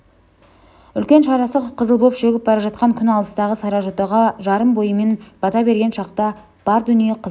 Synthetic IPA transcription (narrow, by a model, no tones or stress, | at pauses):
ʏlkʲe̞nʃɑɾɑsəqʰːəzəlˠbo̞pʃeɡʲɪp̚bɑɾɑʒɑt̪̚qɑŋkʲʰʏnɑlˠəst̪ɑʁəsɑɾɑʒo̞t̪ɑʁɑʒɑɾəmbo̞jəme̞nb̥ɑt̪ɑbe̞ɾɡʲe̞nʃɑqt̪ɑ | b̥ɑɾd̪ʏnije̞qʰəz